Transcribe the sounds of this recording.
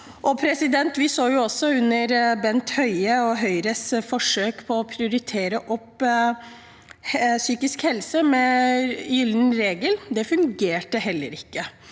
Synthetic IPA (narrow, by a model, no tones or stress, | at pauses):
ʔɔpʰɾɛsɪd̪ɛnt̪ʋɪsoːjʊɔsːɔʉnːəɾbɛnt̪hœʏəɔɦœʏɾəsfɔʂøːkpʰɔːpʰɾɪʊɾɪt̪ʰeːɾəʔɔpː | syːkɪskhɛlsəmɛjʏln̩ɾeːɡəld̪ɛfʉŋɡeːʈəhɛlːə̰ɾɪkːə